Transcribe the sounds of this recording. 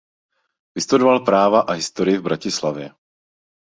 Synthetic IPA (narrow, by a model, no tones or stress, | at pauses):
vɪst̪udovalpɾaːvaʔaɦɪst̪oɾɪjɪvbɾacɪslavjɛ